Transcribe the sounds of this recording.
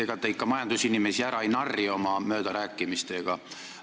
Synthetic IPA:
eɡɑt̪ːˑeikːɑmɑjɑnd̪̥usinime̞siæɾɑjnɑrːio̞mɑmø̞ːd̪̥ɑɾæːkːˑimist̪e̞ɡ̥ɑ

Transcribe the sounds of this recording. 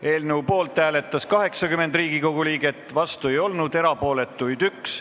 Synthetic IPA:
e̞ːlnewpo̞ːlt̪ˑːæːle̞t̪ːˑɑskɑɦe̞ksɑkyme̞nd̪riːɡ̥iko̞ɡ̥uliːɡ̥e̞t̪ːˑvɑst̪ue̞jo̞lnud̪e̞ɾɑpo̞ːle̞t̪ːˑujd̪̥yks

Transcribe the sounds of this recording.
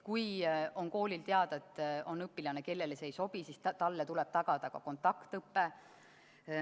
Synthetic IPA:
kujo̞nko̞ːlilt̪e̞ɑd̪ɑet̪ˑːo̞nɤpːˑilɑne̞ke̞lːe̞lesejso̞b̥isist̪t̪ɑlːet̪ulɛb̥t̪ɑɡ̥ɑd̪ɑkɑ̰ko̞nt̪ːˑɑkt̪ɤpːe̞

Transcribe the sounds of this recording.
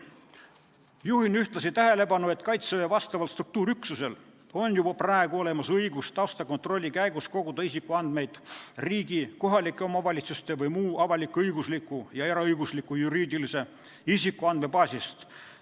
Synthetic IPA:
juɦinyht̪lɑsit̪æɦe̞le̞pɑnːue̞t̪ːˑkɑjt̪sevevɑst̪ɑvɑlst̪ruk̚t̪uːɾyksuse̞l | o̞njub̥ɑpræeɡuo̞le̞mɑsɤjɡust̪ɑwst̪ɑko̞nt̪ro̞lʲːikæjɡusko̞ɡ̥ud̪̥ɑisikːˑuɑnd̪̥me̞jd̪̥riːɡiko̞ɦɑlikˑːeo̞mɑvɑlʲit̪sust̪e̞vɯjmuːɑvɑlʲikːɤjɡuslikːˑujɑeɾɑɤjɡuslikːˑujuɾiːd̪ilise̞ | isikːˑuɑnd̪̚me̞pɑːsʲist̪

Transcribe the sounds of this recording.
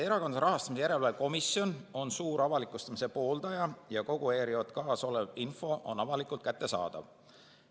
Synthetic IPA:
eɾɑko̞nsɑɾɑɦɑst̪ɑmisejæɾe̞lvɑeko̞misjo̞no̞nsuːɾɑvɑlikːˑust̪ɑmise̞po̞ːld̪̥ɑjɑjɑko̞ɡ̥ue̞ːɾio̞t̪kɑːso̞levinfo̞ʔo̞̰nɑvɑlikːˑult̪̚kæt̪ːe̞sɑ̰ːd̪̥ɑ̰v

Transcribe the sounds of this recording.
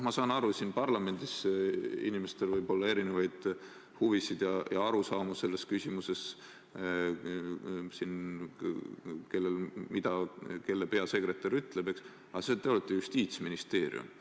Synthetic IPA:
mɑsɑːnɑɾusinpɑrlɑme̞nʲd̪̥isḭnimest̪e̞lvɯjb̥o̞lːɑe̞ɾinevɑjd̪̥ | huvisid̪̥jɑjɑɑɾusɑːmɑse̞lːe̞skysʲimuse̞s | sin | ke̞lːe̞lmid̪̥ɑke̞lːepe̞ɑse̞kɾe̞t̪ːˑɑɾyt̪ˑle̞be̞ks | ɑset̪eolet̪ːˑejust̪iːt̪sminist̪e̞ːɾḭṵm

